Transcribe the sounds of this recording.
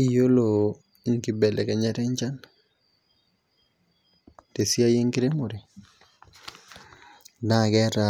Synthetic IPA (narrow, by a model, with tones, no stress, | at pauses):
i˨jo˦lo˨ | i˦ŋki˨bɛ˨lɛ˨kɛ˨ɲɛ˦ɾɛ˦ɲt͡ʃa˦n | te˨sja˦je˦ŋkɪ˦ɾe˦mʊ˨ɾe˨ | na˦˨kɛ˦ɾa